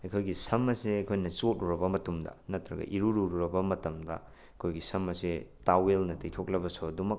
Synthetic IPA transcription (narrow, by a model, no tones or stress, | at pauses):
ɐkʰojɡisɐmɐseɐkʰojnɐt͡ʃot̚uɾɐbɐmɐtumdɐ̰nɐtɾɐɡɐ̰ʔiɾuɾuɾuɾɐbɐmɐtɐmdɐ̰ | ɐkʰojɡisɐmɐsetawelnɐtejtʰok̚lɐbɐsodumɐk